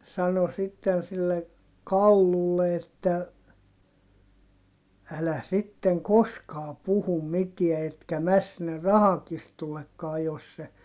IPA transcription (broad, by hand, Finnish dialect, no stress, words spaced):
sɑno sitːen silːe kɑlːulːe etːæ ælæ sitːeŋ koskɑː puhum mitiæ etkæ mæs sinːer rɑhɑkistulːekːɑː jos se